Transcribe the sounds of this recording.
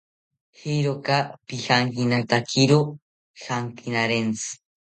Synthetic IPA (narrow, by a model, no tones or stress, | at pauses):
hijɾokapihaŋkinat̪akʰiɾo | haŋkinaɾent͡sʰɨ̥